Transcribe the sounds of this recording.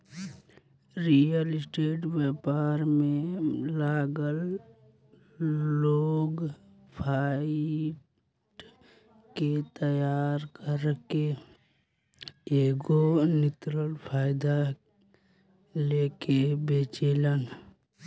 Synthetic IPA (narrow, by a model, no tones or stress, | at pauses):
ɾijəlɪsʈeːʈwepaɾmẽlaːɡəl | oːɡ | pʰaːɪʈ | ket̪əjaːɾkəɾke | eːɡonɪt̪ɾəlpʰaːjɪd̪a | leːkebeːt͡ʃeːlən